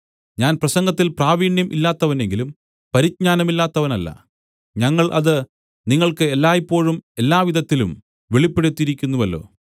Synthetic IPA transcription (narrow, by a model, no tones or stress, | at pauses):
ɲaːnprɐsɐŋɡɐt̪ːilpraːʋiːɳjɐmʔḭlːaːt̪ːɐʋɐne̞ŋɡilum | pɐɾit̚ɲaːnɐmilːaːt̪ːɐʋɐnɐlːɐ̰ | ɲɐŋːɐɭʔɐðɨ | niŋːɐɭkɨelːaːjipːo̞ːɻume̞lːaːʋiðɐt̪ːilum | ʋeɭipːeɽut̪ːiɾikʲːunːuʋɐlːo̞̰ː